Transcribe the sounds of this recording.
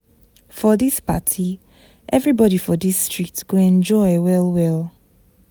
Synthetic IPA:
fɔðispa̰tʰi | ʔɛvɹibɔɾifɔdistɹ̥ik̚tɡ̥oɛ̃nd͡ʒɔɪwɛlwɛlˠ

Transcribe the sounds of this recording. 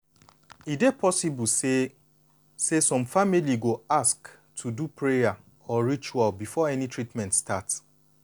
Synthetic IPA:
idepʰɔsib̩se | sesɔ̃mfamiliɡoask | tʰudupɹeja | ɔɹit͡ʃualbifɔɛnitɹitmɛ̃ntstats

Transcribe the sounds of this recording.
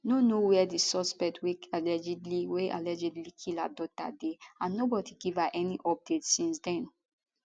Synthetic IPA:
nonowɛdisɔspɛk̚twealɛd͡ʒɛdliweʔa̰lɛd͡ʒɛdlikʰila̰dɔta̰deãnːobɔdiɡivaʔɛniʔɔp̚d̥etsĩnsdɛ̃n

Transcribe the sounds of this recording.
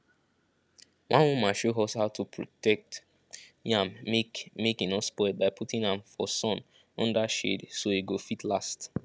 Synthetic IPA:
wãnwũmãʃoɦɔshaʊtʰupʰɹɔ̰tɛk̚t | jãmmekĩnɔspɔɪd̚baɪpʰutĩŋãmfɔsɔ̃n | ɔ̃ndaʃḛdsoeɡofitlast

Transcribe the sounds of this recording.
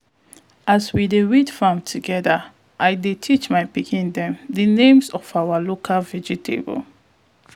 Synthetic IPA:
ʔaswideɹidfãmtʰuɡɛðə | ʔajdetʰit͡ʃmaɪpikʰĩndɛ̃mdənẽmzɔfawəlokʰalvɛd͡ʒitʰḛbə̰l

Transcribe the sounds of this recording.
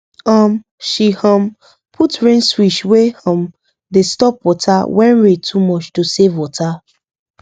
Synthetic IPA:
ɔ̃m | ʃihɔ̃m | pʰutɹẽnswiʃwehɔ̃m | destɔp̚wɔtʰawɛ̃nɹetʰumɔt͡ʃtusevwɔtʰa

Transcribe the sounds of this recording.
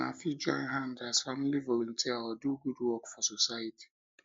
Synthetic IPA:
a̰fid͡ʒɔ̰̃ɪ̃nɦãndazfamilivolɔ̃ntʰiaɔduɡudwɔkfɔsosajatʰi̥

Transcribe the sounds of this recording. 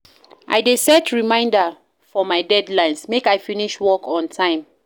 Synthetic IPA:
ʔa̰ɪdesɛtɹimãɪ̃ndə | fɔmaɪdɛdlãɪ̃nsmekajfiniʃwɔkʰɔ̃ntʰãɪ̃m

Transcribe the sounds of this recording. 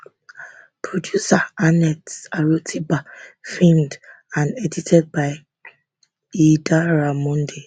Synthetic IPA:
pʰɹodjusaanɛtaɹotʰibafĩmd | ãnɛditʰɛd̚baɪ | idaɹamɔ̃nde

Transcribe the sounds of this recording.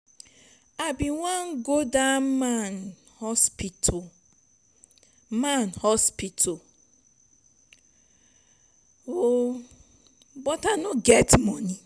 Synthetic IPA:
abiŋʷaŋ̩ɡodaman | hɔspit | manhɔspito | o | bɔtanʊɡetmɔni

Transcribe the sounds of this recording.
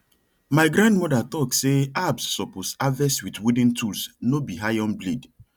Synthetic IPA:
majɡɾãndmɔdatɔkseabsːɔposavɛswitwudĩntʰulsnobiɦajɔ̃nblid

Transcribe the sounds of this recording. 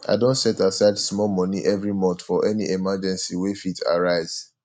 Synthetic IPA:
ʔa̰ɪdõntsɛtasaɪdsmɔlmɔ̃niʔɛvɹimɔ̃ntfɔʔɛniʔemad͡ʒɛ̃nsiwefitʰa̰ɹaɪz̥

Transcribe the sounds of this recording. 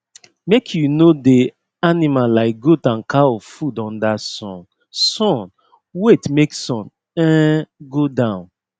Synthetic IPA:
mekʰjunode | animalaɪk̚ɡotãnkʰaɔvfudɔ̃ndasɔ̰̃n | sɔ̃n | wetmeksɔ̃n | ɛ̃ɡodãʊ̃n

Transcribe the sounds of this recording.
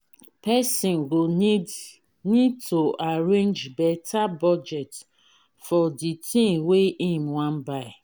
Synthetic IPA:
pɛsĩnɡo | nid̚tʰoaɹẽnd͡ʒbɛtabɔd͡ʒɛt | fɔditĩŋweĩmwãnbaɪ

